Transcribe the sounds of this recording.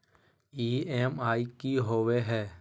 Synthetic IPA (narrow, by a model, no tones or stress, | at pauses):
iːeːmaːikiɦoːʋeɦɛː